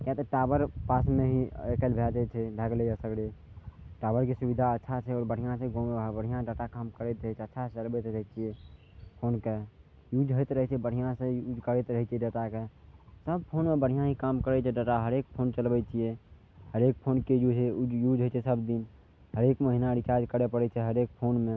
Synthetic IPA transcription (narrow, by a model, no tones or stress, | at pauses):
kɛt̪eʈaːbəɾpaːsmẽɦiekəlbʱɛt͡ʃɛt͡ʃʰɛbʱɛɡlejasəɡle | ʈaːbəɾkesubid̪ʱaətːʃʰat͡ʃʰɛɔːɾbəɽ̤ʱijãsẽɡõmebəɽ̤ijãɖaːʈakaːmkəɾɛt̪t͡ʃʰətːʃʰat͡ʃəlbɛt̪ɾəɦɛt͡ʃʰie | pʰoːnke | jud͡ʒɦəjt̪ɾəɦɛt͡ʃʰɛbəɽ̤ijãsẽud͡ʒkəɾet̪ɾəɦɛt͡ʃʰiɛɖət̪akesəb̚pʰonmebəɽ̤ijãɦikamkəɾɛt͡ʃʰɛɖaʈaɦəɾek̚pʰont͡ʃəlbɛt͡ʃʰije | həɾek̚pʰonkejud͡ʒejud͡ʒʱɦət͡ʃʰɛsəbd̪in | ɦəɾekməɦinaɖit͡ʃaɾd͡ʒkəɽepəɽɛt͡ʃʰɛɦəɾek̚pʰonmẽ